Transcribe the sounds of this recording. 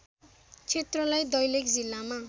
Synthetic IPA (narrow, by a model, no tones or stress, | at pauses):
t͡sʰet̪rʌlajd̪ʌjlekd͡zilːama